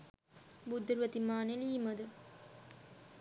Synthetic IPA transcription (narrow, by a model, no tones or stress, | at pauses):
bud̪ːɾʋɐt̪imaːneliːmɐd̪ɯ